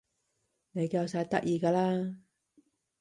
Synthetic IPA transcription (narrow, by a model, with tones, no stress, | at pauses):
ne˨˧jkaː˧wsaː˧j̚t̪ɐ˥k̚ʔjiː˧kaː˧laː˥